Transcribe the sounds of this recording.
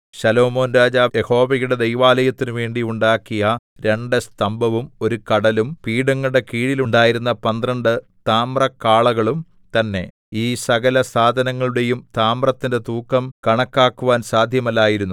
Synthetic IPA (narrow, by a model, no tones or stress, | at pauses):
ɕɐlo̞ːmo̞ːnɾaːd͡ʑaːjeho̞ːʋiɣuɽe̞d̪ejʋaːlɐjɐt̪ːinuʋe̞ːɳɖiuɳɖaːkːijɐ | ɾe̞ɳɖɨst̪ɐmbʱɐʋumo̞ɾukɐɽɐlumpiːɽɐŋːɐɭɽe̞kiːɻiluɳɖaːjiɾunːɐpɐnd̪rɐɳɖɨ | t̪aːmrɐkːaːɭɐɣɐɭum | t̪ɐnːe̞̰ | iːsɐɣɐlɐsaːd̪ʱɐnɐŋːɐɭuɽe̞jumt̪aːmrɐt̪ːinde̞t̪uːkːɐmkɐɳɐkːaːkːuʋaːnsaːd̪ʱjɐmɐlːaːjiɾunːu